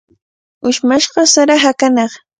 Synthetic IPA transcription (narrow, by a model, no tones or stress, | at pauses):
ʊʃmaʃɢɑsaɾaɦakanɑχ